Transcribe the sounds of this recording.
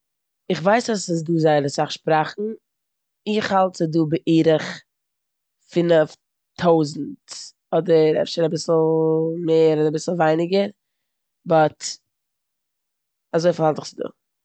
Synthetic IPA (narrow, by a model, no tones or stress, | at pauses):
ɪχvaɪsasɪs̬duːzaɪɾəsaχʃpɾaχn̩ | ɪχhalˠtt͡sɪduːbɪʔiːɾəχ | fɪnəf | tʰoʊzn̩t | ɔdəɾɛ̰fʃənabɪsl̩ˠmeɪəɾɔdɾabɪsl̩ˠvaɪnɪɡəɾ | bɔt | azoɪfahalˠtɪ̥χt͡sɪdṵː